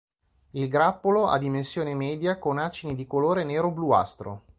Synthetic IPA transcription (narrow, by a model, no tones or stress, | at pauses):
ilɡɾapːoloa̰d̪ːimensjoːnemɛːd̪jakonat͡ʃinid̪ikoloːɾeneːɾoblua̰st̪ɾo̰